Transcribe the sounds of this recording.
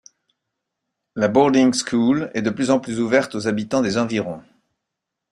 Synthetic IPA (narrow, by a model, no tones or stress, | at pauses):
labɔʁd̪iŋskʰulɛd̪əplyzɑ̃plyzuvɛʁt̪ozabit̪ɑ̃d̪ezɑ̃viʁɔ̃